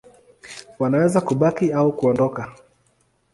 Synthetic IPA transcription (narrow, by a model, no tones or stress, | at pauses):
wanawɛzakuɓakiaukuɔndɔka